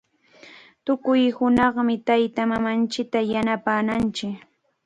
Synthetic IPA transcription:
t̪ʊkʊjhʊnɑχmɪt̪ajt̪amamant͡ʃɪk̚t̪ajanapaːnant͡ʃɪk

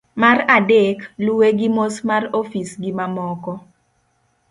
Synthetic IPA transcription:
maradeklweɡɪmosmarofisɡɪmamɔkɔ

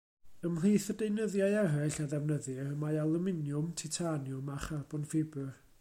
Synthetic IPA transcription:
əml̥iθədejnəðjaɨɛrɛɬaðɛvnəðɪrəmaalˠumɪnjʊmtʰɪtʰanjʊmaχarbʊnfɪbɨr

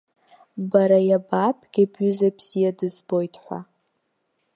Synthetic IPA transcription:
baɾajabapʰʼɡ̥ʲabɥʏzabz̥ijadɨzbo̞jtʰħʷa̰

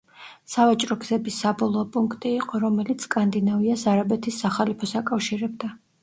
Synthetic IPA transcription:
savat͡ʃʼɾɔɡz̥ɛbisːabɔlˠɔːpʼuŋkʰt̪ʼiːqʼɔɾɔmɛlit̪sʰkʼand̪inaviasaɾabɛt̪ʰisːaχalipʰɔsakʼafʃiɾɛbd̪a

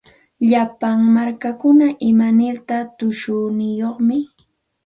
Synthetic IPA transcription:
ʎapaŋmaɾkakʊnaʔɪmanɪɾt̪at̪ʊʃʊnɪjoχmɪ

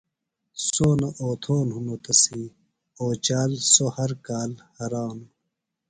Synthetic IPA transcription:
soːnɐʔoːt̪ʰoːnɦunot̪ɐsi | oːt͡ɕaːlsohɐɾkaːlhɐɾaːnu

